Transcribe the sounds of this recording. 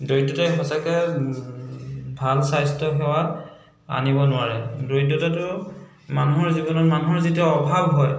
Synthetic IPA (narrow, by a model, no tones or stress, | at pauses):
dojdɔtaɦɔsakɛ | bʱalsajstɔɦɛwa | a̰nibɔnʊaɹɛdojtːɔtatʊ | manuɦɔɹzibɔnɔmanuɦɔɹzitiaɔbʱabʱɦɔj